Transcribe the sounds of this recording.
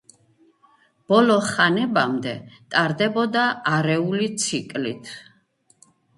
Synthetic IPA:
b̥ɔlɔχanɛbamd̪ɛt̪ʼaɾd̪ɛbɔd̪aaɾɛulit̪sʰikʼlit̪ʰ

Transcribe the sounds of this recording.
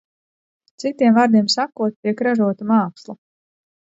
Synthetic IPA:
t̪sit̪iɛmvaɾd̪iɛmsakuɔt̪̚t̪iɛkɾaʒuɔt̪amaːkslˠa

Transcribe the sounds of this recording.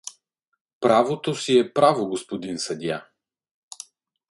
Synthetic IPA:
pɾavot̪osiɛpɾavoɡospod̪insɐd̪ja

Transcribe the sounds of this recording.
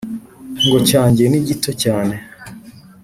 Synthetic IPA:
ŋɡo̞caːɲɟeniɟitocaːne̞

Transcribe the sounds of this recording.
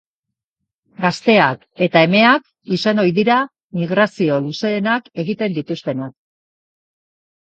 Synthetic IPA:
ɡast̪e̞ak | e̞t̪ae̞me̞ak | iseno̞jðiɾa | miɣ̞ɾasio̞luse̞ːnake̞ɣit̪e̞nd̪it̪ust̪e̞nak̚

